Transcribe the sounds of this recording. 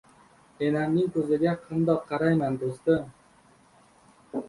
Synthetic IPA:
enamnɪŋkʲʰɵzɪɡʲaqʰɑnd̪ɒqʰːɑɾajmand̪ost̪ɪm

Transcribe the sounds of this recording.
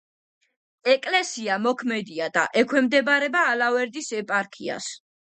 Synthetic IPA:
ɛkʼlɛsiamɔkʰmɛd̪iad̪a̰ʔɛkʰwɛmd̪ɛbaɾɛbaːlavɛɾd̪isɛpʼaɾkʰia̰s

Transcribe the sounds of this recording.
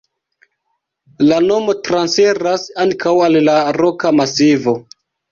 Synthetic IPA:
lano̞mo̞tɾansfeɾasaŋkawallaɾo̞kamasivo̞

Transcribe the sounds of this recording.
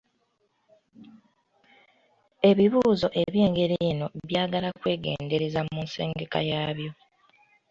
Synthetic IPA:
e̞βiβuːzo̞ʔe̞βje̞ːŋɡe̞ɾeːno̞βjaːɡalakwe̞ːɡe̞̰ːnde̞ɾe̞zamuːnsḛːŋɡe̞ka̰jaːβjo̞

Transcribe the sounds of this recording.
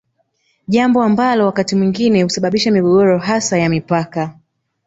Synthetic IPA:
ʄambɔambalɔwakatimwiŋɡinɛhusaɓaɓiʃamiɠɔɠɔɾɔɦasajamipaka

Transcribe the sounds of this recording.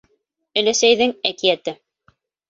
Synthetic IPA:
ɘ̆læsæjðɘŋækijæt̪ɘ

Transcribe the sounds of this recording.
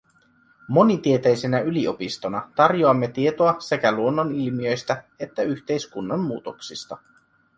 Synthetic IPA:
mo̞nit̪ie̞t̪ejse̞næylio̞pist̪o̞nɑt̪ɑrjoɑmːe̞t̪ie̞t̪oɑse̞kæluonːonilmiø̞jst̪æ | e̞t̪ːæyçt̪e̞jskunːɑmːuːt̪o̞ksist̪ɑ

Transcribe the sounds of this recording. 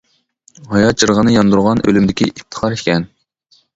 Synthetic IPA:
hɑjɑd͡ʒɨɾʁənɨjɑnd̪uɾʁɑnø̰lymd̪ɪkʲiʔip̚t̪ʰə̥χʰɑɾikʲʰɛn

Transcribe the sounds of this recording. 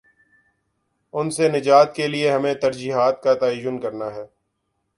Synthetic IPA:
ʊnsenɪd͡ʒaːt̪̚kelieɦɐmẽt̪ɐɾd͡ʒiːɦaːt̪̚kat̪aːiːd͡ʒʊnkɐɾnaɦɛː

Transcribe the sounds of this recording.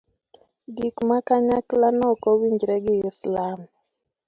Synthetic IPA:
ɡikmakaɲaklanɔkɔwiɲd͡ʒɾɛɡɪɪslam

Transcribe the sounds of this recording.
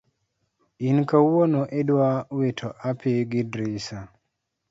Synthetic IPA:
inkawɔnɔʔedwawetʰɔʔapeɡidɾisa

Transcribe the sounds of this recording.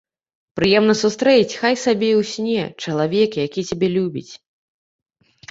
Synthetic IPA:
pɾɨjɛmnɐsust̪ɾɛt͡sʲxajsabʲɛiwsʲnʲɛt͡ʂɐlˠavʲɛkjakʲit͡sʲabʲɛlʲubʲḭt͡sʲ

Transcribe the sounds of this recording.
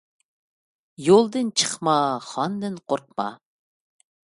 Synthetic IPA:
jolˠd̪ɨnt͡ʃʰə̥χmɑχɑnd̪ɨnqʰoɾq̚mɑ̰

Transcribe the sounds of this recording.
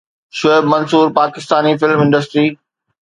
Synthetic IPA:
ʃoebmɐnsuːɾpaːkɪst̪aːnifɪlmɪ̃ɳɖəsʈɾiː

